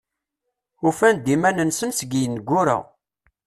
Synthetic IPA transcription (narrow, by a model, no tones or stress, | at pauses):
ufænd̪imænənsənsɡijənɡʷːʊɾa̰